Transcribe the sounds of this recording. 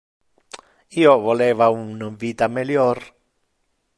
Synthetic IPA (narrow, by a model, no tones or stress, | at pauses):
iovolevaunvit̪ameljoɾ